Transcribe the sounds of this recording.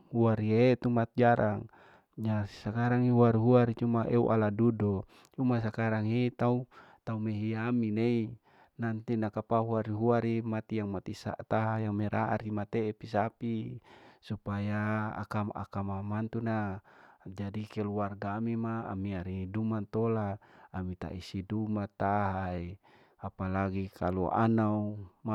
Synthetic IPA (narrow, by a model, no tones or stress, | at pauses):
huaɾiet̪umat̪̚d͡ʒaɾʔaŋ | ɲasakaɾaŋiɦuaɾiɦuaɾit͡ʃumaʔeuʔaladudo | t͡ʃumas̬akaɾaŋit̪aut̪aumeɦiaminei | nant̪inakapaɦuaɾiɦuaɾimat̪ijaŋmat̪isa̰ʔt̪aɦajaŋmeɾaa̰ɾimat̪eːpisapisupaja̰kaa̰kamamant̪una | d͡ʒadikeluarɡaːmima̰ːmiaɾidumat̪olaːmit̪a̰ʔisidumat̪aɦae | apalaɡikʰalua̰nauma